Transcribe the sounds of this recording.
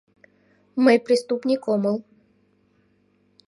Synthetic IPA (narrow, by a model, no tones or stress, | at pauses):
mɨpɾʲɪst̪upnʲɪkɔmɨlˠ